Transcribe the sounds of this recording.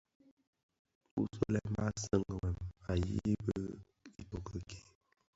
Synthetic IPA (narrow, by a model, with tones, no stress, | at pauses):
u˦sə˦lɛ˦ma˦sə˦ŋɡə˨wɛ˨ma˨jḭ˦bə˦ | i˨to˨kə˨ke˨